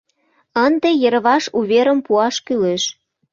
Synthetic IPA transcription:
ənd̪ejəɾβɑʃuβeɾəmpuɑʃkyleʃ

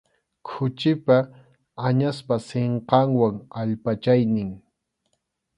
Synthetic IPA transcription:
kʰʊt͡ʃɪpa | aɲaspaseɴqɑŋwaŋaʎpat͡ʃajnɪŋ

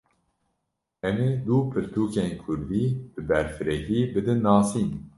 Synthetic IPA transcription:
ɛmɪd̪uːpʰɨɾt̪ʰuːkeːnkʰʊɾd̪iːb̥ɨbɛɾfɨɾɛɦiːbɨd̪ɨnːɑːsiːn

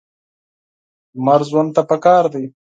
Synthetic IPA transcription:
mɐɾzwont̪apɐkaːɾd̪iː

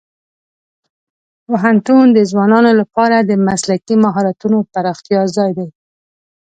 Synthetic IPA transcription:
pʊɦant̪und̪əzwɑnɑnolapɑɾad̪əmaslakimaɦɑɾat̪unopaɾɑxt̪jɑzɑjd̪aj

